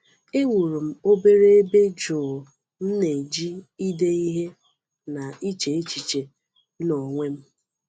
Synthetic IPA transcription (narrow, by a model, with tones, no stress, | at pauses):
e˦ŋʷu˨ɾu˨m̩˦o˦be˦ɾe˦e˦be˦d͡ʒʊː˨ | m̩˦ne˨d͡ʒi˦i˦de˦i˦ɦe˦ | na˨i˦t͡ʃe˨e˦t͡ʃi˨t͡ʃe˨˦ | nɔ˨ŋʷe˦m̩˦